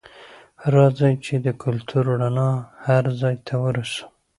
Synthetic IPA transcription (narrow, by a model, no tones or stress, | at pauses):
ɾɑzajt͡ʃed̪əkʰʊlt̪ʰuɾɽanɑhaɾzɑjt̪ʰawəɾusə̥m